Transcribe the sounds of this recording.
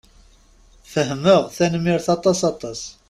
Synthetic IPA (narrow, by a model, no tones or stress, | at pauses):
fəɦməʁθænmiɾθɑt̪ˤɑsɑt̪ˤɑs